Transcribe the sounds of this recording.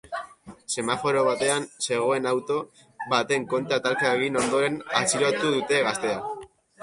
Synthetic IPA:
se̞mafo̞ɾo̞β̞at̪e̞anse̞ɣ̞o̞e̞nawt̪o̞ | βat̪e̞ŋko̞nt̪at̪aɾkaeɣino̞nd̪o̞ɾe̞nasiɾot̪uðut̪e̞ɣast̪e̞a

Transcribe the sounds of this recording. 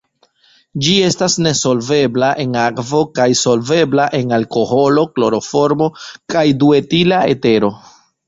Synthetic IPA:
d͡ʒie̞stasne̞so̞lve̞blaʔe̞nakvo̞kajso̞lve̞blaʔe̞nalko̞ho̞lo̞klo̞ɾo̞fo̞ɾmo̞kajdue̞tilae̞̰te̞ɾo̞

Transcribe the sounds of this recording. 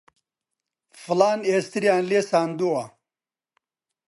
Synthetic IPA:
fulaːnest̪iɾijaːnleːsaːnd̪ua

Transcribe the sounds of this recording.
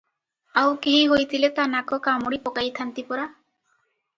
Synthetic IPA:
awkeɦiɦojt̪ʰilet̪anakʰokamoɽipɔkajt̪ʰant̪ipɔɾa

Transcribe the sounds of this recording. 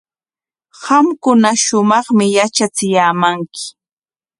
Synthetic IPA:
hɑmkʊnaʃʊmɑχmɪjat͡ʃat͡sɪjaːmaŋkɪ̥

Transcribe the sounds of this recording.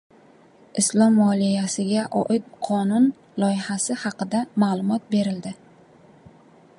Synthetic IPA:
ʔɪslˠɒmwɒlˠijasɪɡʲaʔɒʔɪt̪̚qʰɒnʊn | lˠɒjɪhasɪhɑqɨd̪amalˠʊmɒt̪̚be̞ɾɪld̪ɪ

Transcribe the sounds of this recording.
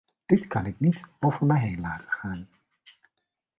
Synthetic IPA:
d̥ɪtkɑnɪknitowvəɹmɛjɦejnlaːtə̥χaːn

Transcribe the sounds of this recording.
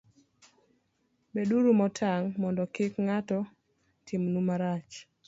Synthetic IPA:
beduɾumɔtʰaŋmɔndɔkɪkŋatɔ | tʰɪmnumaɾat͡ʃ

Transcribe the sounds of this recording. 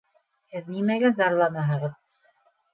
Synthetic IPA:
hɘðnimæɡæzɑɾlˠɑnɑɦɤ̆ʁɤð

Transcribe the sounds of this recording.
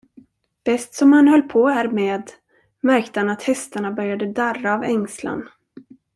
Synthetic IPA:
b̥ɛst̪sɔmhanhœlːpʰohæːɾmeːd̪ | mæɾkt̪əhanat̪hɛst̪aɳabœɾjad̪əd̪araːvɛŋsla̰n

